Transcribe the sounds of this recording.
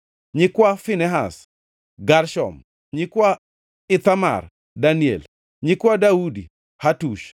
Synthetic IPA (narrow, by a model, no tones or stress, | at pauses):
ɲɪkwafinɛɦa̰s | ɡaɾʃɔ̰m | ɲɪkwa | ɪt̪ama̰r | daniɛ̰l | ɲɪkwadaudi | hatuʃ